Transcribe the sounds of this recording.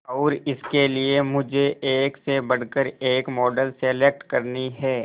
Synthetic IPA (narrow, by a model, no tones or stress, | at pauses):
ɔːɾɪskeliemʊd͡ʒʱeʔeːksebɐɽ̤kəɾeːkmɔːɖəlselek̚ʈkɐɾniɦɛː